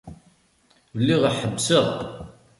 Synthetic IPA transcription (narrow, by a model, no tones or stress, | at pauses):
vəlːiʁəħəbːsəʁ